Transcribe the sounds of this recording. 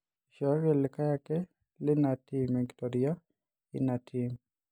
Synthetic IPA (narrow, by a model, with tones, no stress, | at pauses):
ʃɔ˨˦ɾɛ˨lɪ˨ka˦ja˦kɛ˦ | lɪ˦na˨ti˦mɛ˨ŋɡtɔ˨dija˦ | ɪ̰˦na˨tʰi˨m